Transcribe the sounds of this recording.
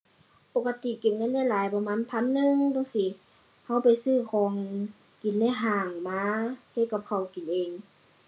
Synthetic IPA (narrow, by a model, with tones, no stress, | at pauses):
po˨˧kːa˧t̪i˨ke˨˩m̚ŋɤ˧˥˨nla˧˥˨jlaː˨˦jpɔ˧maː˧˥˨npʰa˧˥˨nːɯ˧ŋt̪ɔ˧˥˨ŋsi˧˦ | ha˧˥˩wpa˨jsɯː˧˩kʰɔː˨˦ŋ | ki˨˩˦nla˧˨ɦaː˧˩ŋmaː˧he˧t̪̚ka˧˦p̚kʰa˨˩wki˨nʔeː˨˩ŋ